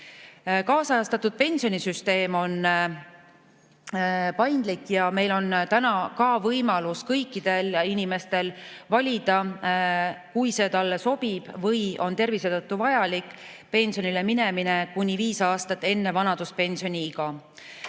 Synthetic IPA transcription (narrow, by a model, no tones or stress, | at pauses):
kɑːsɑɑst̪ɑt̪ud̪̥̚pe̞nʲsijo̞nisyst̪e̞ːmo̞n | pɑjnd̪̥likːjɑme̞jlo̞nt̪ænɑkɑvɤjmɑluskɤjkːˑid̪̥e̞linime̞st̪e̞lvɑlʲid̪̥ɑ | kujse̞ːt̪ɑlːeso̞b̥ib̥vɤjo̞nt̪e̞rvised̪ɤt̪ːuvɑjɑlikːˑ | pe̞nʲsionilemine̞mine̞kunʲiviːsɑːst̪ɑt̪ːˑe̞nːe̞vɑnɑd̪̥uspe̞nʲsio̞nʲiɡ̥ɑ